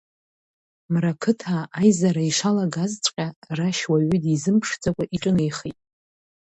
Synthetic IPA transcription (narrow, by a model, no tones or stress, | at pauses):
mrakʰɨtʰaːjzaɾaiʂalaɡazt͡sʷʼqʲʼaraʃwaɥʏdizɨmpʰʂt͡sʼakʷʼaʔiʈ͡ʂʼɨne̞jχitʼ